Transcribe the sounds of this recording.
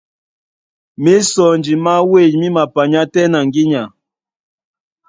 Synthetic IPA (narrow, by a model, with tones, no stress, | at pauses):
mi˦sɔ˨nd͡ʒi˨ma˦we˦˨d͡ʒmi˦ma˨pa˨ɲa˦tɛ˦na˨ŋɡi˦ɲa˨